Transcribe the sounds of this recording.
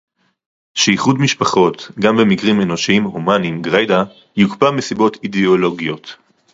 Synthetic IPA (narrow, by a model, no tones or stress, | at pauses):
ʃeiχudmiʃpaχo̞t̪ɡambemikʁime̞no̞ʃiimhomanimɡʁejda | jukpamesibo̞t̪ideolo̞ɡio̞t